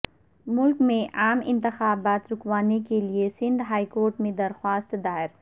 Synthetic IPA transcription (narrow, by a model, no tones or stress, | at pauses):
mʊlkmẽʔaːmɪ̰̃nt̪ɪxaːbaːt̪ɾʊkwaːnekeliesɪ̃ɳɖɦaːikoːɾʈmẽd̪ɐɾxwaːst̪d̪aːɪɾ